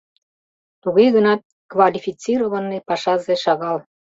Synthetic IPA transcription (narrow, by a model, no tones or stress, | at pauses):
t̪uɣɤjɣənɑt̪̚ | kvɑlʲifʲit͡siɾoβɑnːepɑʃɑzeʃɑɣɑl